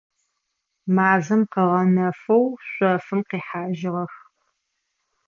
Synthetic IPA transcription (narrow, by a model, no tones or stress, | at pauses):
maːzɨmqɐʁɐnɐfɐwɕʷʼɐfɨmqiːħaːʒɪʁɐx